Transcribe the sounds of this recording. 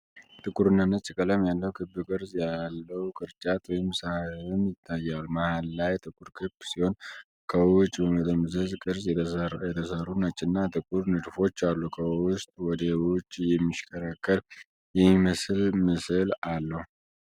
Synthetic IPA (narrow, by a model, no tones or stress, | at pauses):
t̪ʼɨkʼuɾɨnːənːət͡ʃʼːɨkʼələmjalːəwukʰɨbːɨkʼɨɾzjalːəwukʼɨɾt͡ʃʼat̪ʰwɔjɪmsahɨmjɪt̪ʰːajːalmahalːajt̪ʼɨkʼuɾkʰɨbsiho̞n | kʰəwwʊt͡ʃʼːbəmət̪əmɨzəzkʼɨɾzjɛt̪ʰəsəɾunət͡ʃʼːɪnːat̪ɨkʼuɾnɨd̪fo̞t͡ʃːalːukʰəwwʊst̪ʼwɔd̪əwut͡ʃːjɛmːiʃkʰəɾakːəɾ | jɛmiməslməsɨlalːəhu